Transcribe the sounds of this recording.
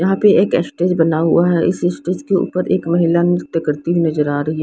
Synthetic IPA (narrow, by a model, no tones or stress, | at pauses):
jɐɦãpeeːkɛsʈeːd͡ʒbɐnaɦʊ̰aɦɛʔɪsesʈeːd͡ʒkeṵːpəɾʔḛːkmɐɦɪlanɪkt̪kɐɾt̪iɦinɐzəɾaːɾɐɦi